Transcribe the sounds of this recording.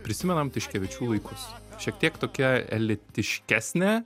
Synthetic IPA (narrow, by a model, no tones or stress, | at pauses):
pʲɾʲɪsʲɪmʲɛnɐmt̪ʲɪʃʲkʲɛʋʲɪt͡ʃʲuːlˠɐɪkʰʊsʃʲiɛk̚t̪ʲiɛkt̪oːkʲɛɛ̰lʲɪt̪ʲɪʃʲkʲæːsʲnʲe